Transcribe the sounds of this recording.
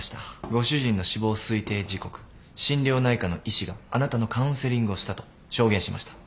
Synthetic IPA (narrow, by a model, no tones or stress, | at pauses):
ɕi̥t̪aɡo̞ɕɨʑĩnːo̞ɕibo̞ːsɨit̪e̞ːd͡ʑiko̞kɯ̥ | ɕĩnɾʲo̞ːnaikano̞ʔiɕiɡaːnat̪ano̞kãɯ̟̃se̞ɾʲĩŋɡɯ̟o̞ɕi̥t̪at̪o̞̥ | ɕo̞ːɡẽ̞ɕima̰ɕi̥t̪ḁ